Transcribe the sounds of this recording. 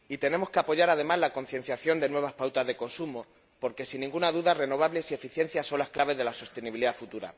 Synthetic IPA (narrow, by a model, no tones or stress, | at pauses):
it̪e̞ne̞mo̞skeapo̞ʝaɾað̞e̞mazlako̞n̟θje̞n̟θjaθjo̞nd̪e̞nwe̞β̞aspawt̪azðe̞ko̞nsumo | po̞ɾke̞sinːĩŋɡunaðuðare̞no̞β̞aβle̞sie̞fiθje̞n̟θjaso̞nlasklaβe̞zðe̞laso̞st̪e̞niβiliðafut̪uɾa̰